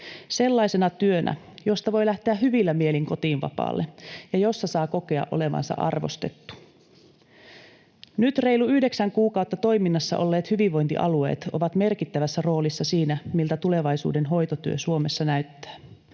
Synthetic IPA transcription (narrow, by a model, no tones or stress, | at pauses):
se̞lːɑisenɑt̪yønʔæ̰ | jo̞st̪ɑʋo̞jlæht̪eæɦyʋilːæmie̞liŋko̞t̪iːnʋɑ̰pɑ̰ːlːejɑjo̞sːɑsɑːko̞ke̞ɑ̰ʔo̞̰le̞ʋɑ̰nsɑ̰ʔɑ̰rʋo̞̰st̪e̞̰t̪ːu̥ | nyt̪re̞jluyhde̞ksæŋkuːkɑuwt̪ːɑt̪o̞jminːɑsːɑ̰ʔo̞̰lːe̞ːt̪hyʋiʋʋo̞jnt̪ḭʔɑ̰lue̞̰ːt̪o̞̰ʋɑt̪me̞rkit̪ːæʋæsːæro̞ːlisːɑsiːnæmilt̪æt̪uleʋɑjsṵːde̞nɦo̞jt̪ot̪yø̰suo̞mesːɑnæɥt̪ːæ̥ː